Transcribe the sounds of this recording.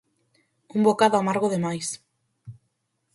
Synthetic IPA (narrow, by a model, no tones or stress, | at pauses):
umbokaðoamaɾɣ̞oðemajs